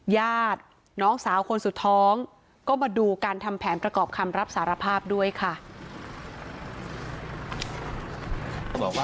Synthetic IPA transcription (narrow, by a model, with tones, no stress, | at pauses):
jaː˥˩t̪̚ | nɔː˦˥ŋsaː˩˦wkʰo˧nsu˨˩t̪ʰːɔː˦˥ŋ | kɔː˥˩maː˧duː˧kaː˧nt̪ʰa˧mpʰɛː˩˦npɾa˧kɔː˨˩p̚kʰa˧mɾa˦˥p̚saː˩˦ɾa˧pʰaː˥˩p̚du˥˩əjkʰa˥˩ | bɔː˨˩kw